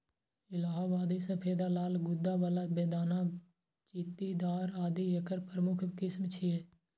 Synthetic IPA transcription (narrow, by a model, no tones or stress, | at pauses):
ɪlaːɦaːbaːd̪isəpʰeːd̪alaːlɡʊd̪ːabaːlabeːd̪aːna | t͡ʃiːt̪id̪aːɾaːd̪ijəkəɾpɾəmʊkʰkɪsmt͡ʃʰie